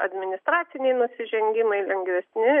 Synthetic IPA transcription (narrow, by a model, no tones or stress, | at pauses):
ɐd̪ʲmʲɪnʲɪst̪ɾɑːt̪ʲɪnʲɛɪnʊsʲɪʒʲɛŋʲɡʲɪmɐɪlʲɛŋʲɡʋʲɛsʲnʲɪ